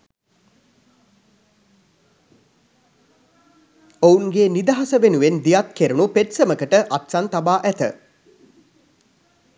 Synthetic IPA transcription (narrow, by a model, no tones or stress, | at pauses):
ouŋɡeːnid̪aɦasəʋenuʋend̪ijat̪̚keɾunupeʈsəməkəʈəʔat̪sant̪abaːʔæt̪ə̰